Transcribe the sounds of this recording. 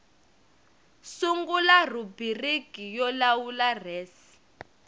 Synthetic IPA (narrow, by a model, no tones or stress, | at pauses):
suŋɡularubiriɡʱijɔlawularɛːsi̥